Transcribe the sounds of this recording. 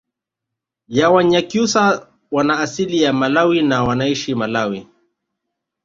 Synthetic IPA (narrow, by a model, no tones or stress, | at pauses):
jawaɲakjusa | wanaːsilijamalawinawanaiʃimalawi